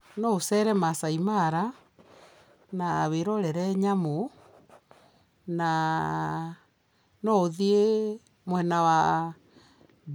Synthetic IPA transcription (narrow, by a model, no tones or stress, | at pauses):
nɔosɛɾɛmasaimaɾa | naːβeɾɔɾɛɾɛɲamo | na | nɔoðie | mwɛnawa